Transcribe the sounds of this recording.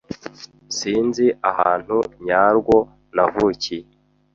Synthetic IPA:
siːnziʔaha̰ːn̥huɲaːɾɡwo̞ | navuci

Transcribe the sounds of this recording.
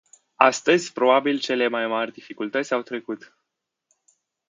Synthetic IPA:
a̰st̪əzʲpɾo̞babilt͡ʃe̞le̞majmarʲd̪ifikult̪ət̪sʲawt̪ɾe̞kut̪

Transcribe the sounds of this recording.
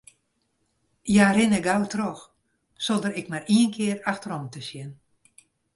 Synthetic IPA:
jaɾɪnəɡawtrɔx | sodəɾɪkmariənkʰɪəraxtəɾɔmtəsjɪn

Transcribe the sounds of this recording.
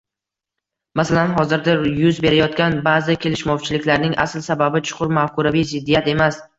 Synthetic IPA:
masalanɦɒzɪɾd̪ajʊzbe̞ɾajɒt̪̚kʲanbazɪkʲʰe̞lɪʃmɒwt͡ʃʰɪlɪkʲlaɾnɪŋʔa̰slsababɪt͡ʃʰʊ̥qʰʊɾmafkʰʊɾavijzɪd̪ːijat̪e̞mas

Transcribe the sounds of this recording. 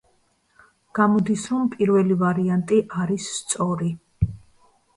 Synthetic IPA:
ɡ̥amɔd̪isɾɔmpʼiɾvɛlivaɾiant̪ʼiʔaɾisːt̪sʼɔɾi

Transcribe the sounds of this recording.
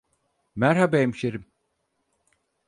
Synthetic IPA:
mæɾhabɛemʃeɾim

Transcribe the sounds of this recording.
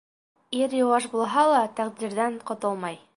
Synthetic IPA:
iɾjŏwɑʃbulˠɦɑlˠɑt̪æqd̪iɾðæɴqŏt̪ɤlˠmɑj

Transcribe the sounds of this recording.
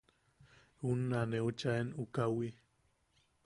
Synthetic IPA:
unːaneot͡ʃaenukawi

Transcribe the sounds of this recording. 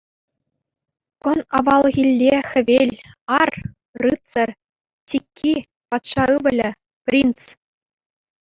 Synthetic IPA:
kɤ̆nɑʋɑlˠɣʲilʲːexʲɘ̆ʋʲelʲɑr | rɯtt͡sɤ̆rʲ | t͡ɕtʲikʲʰːi | pɑt̪ʂɑɯʋɘ̆lʲɘ̆ | pʲrʲint͡s

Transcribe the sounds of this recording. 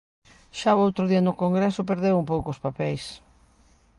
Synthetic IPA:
ʃaoowt̪ɾʊðiɐnʊkoŋɡɾesʊpeɾðewumpowkoʊspapɛjs

